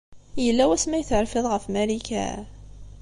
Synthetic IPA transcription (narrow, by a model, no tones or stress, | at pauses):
jəlːæwæsmæjəθəɾfɪðˤʁəfmælikæ̰